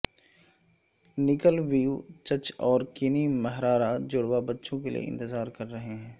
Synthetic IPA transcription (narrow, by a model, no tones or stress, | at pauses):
nɪkəlʋiːut͡ʃət͡ʃɔːɾkɪnimɐɦɾaːɾad͡ʒʊɽwabɐtːʃõkelḭḛʔɪ̰̃nt̪ɪzaːɾkɐɾːɐɦeɦɛ̃ː